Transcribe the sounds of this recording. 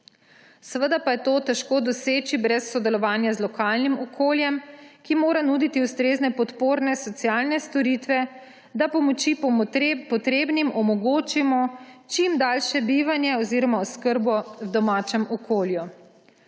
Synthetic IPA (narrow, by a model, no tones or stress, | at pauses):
səʋəd̪apajɛt̪oːt̪ɛʃkoːd̪ɔseːt͡ʃibɾɛsːɔd̪ɛlɔʋaːnjazlɔkaːlnimɔkʰoːljɛmkimoːɾanuːd̪it̪iust̪ɾeːznɛpɔt̪poːɾnɛsɔt̪sjaːlnɛst̪ɔɾit̪ʋɛ | d̪apɔmɔt͡ʃipɔt̪ɾeːbnimɔmɔɡoːt͡ʃimɔt͡ʃimd̪alʃɛbiːʋanjɛɔziɾɔmaɔskəɾbɔwd̪ɔmaːt͡ʃɛmɔkʰoːlju